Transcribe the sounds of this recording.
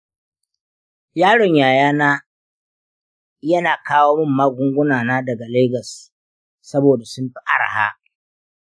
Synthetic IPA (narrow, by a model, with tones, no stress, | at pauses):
jaː˦ɽɔ˨ɲjaː˨jaː˦naː˦ | jɐ˦naː˨kaː˦woː˦mʊ˦mːaː˦ɡʷʊ˦ŋɡʷʊ˦naː˨naː˦dɐ˨ɡa˨leː˦ɡɐ˨sː | ɐ˦boː˨da˨sʊ˦mɸi˦ʔa˦ɽa̰˨ha̰ː˦